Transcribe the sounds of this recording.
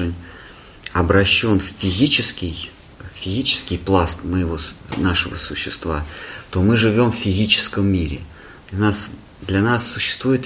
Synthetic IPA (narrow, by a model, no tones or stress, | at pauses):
ɨnʲ | ɐbɾɐɕːo̞nfʲfʲɪzʲit͡ɕɪskʲɪj | fʲɪzʲit͡ɕɪ̥skʲɪjplˠast̪məjɪvo̞naʂɨvə̰sʊɕːɪst̪vat̪o̞mɨʐɨvʲo̞mfʲfʲɪzʲit͡ɕɪ̥skəmːʲiɾʲɪ̰ | d̪lʲɐnas | d̪lʲɐnasːʊɕːɪ̥st̪vujɪt̪